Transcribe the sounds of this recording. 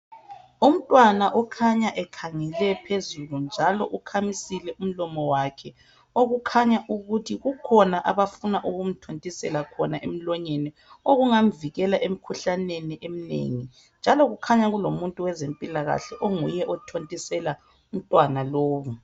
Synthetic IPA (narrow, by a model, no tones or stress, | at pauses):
um̩tʼwanaʔɔkʰaɲaʔɛkʰaŋɛlɛpʰezulund͡ʒʱalɔʔukʰamisilɛʔum̩lɔmɔwakʰɛ | oɣukʰaɲaʔuɣutʰiɣukʰɔnaʔaβafunaʔuɣum̩tʰontʼisɛ̰lakʰɔnaʔem̩lɔɲenɛ | oɣuŋam̩viɣɛlaʔem̩kʰuɬaneniʔem̩nḛŋi | nd͡ʒʱalɔɣukʰaɲaɣulomuntʼuwɛzempʼilaɣa̰ɬɛʔoŋujɛʔɔtʰontʼisɛla | um̩tʼwanaloːβu